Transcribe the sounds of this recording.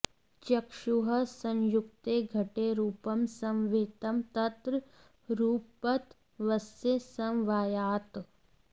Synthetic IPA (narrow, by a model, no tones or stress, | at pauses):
t͡ʃɐkʂuɦɐsɐ̃njuk̚t̪eːɡʱɐʈeɾuːpɐmsɐmʋeːt̪ɐmt̪ɐt̪ɾ | ɾuːpɐt̪ | ʋɐsesɐmʋaːjaːt̪